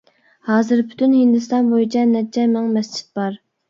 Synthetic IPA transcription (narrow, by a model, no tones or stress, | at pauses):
hɑːzɨɾpʰy̥t̪ʰynhind̪ɪst̪ɑnbojit͡ʃʰɛnɛt͡ʃʰɛmɪŋmɛst͡ʃʰi̥t̪̚bɑɾ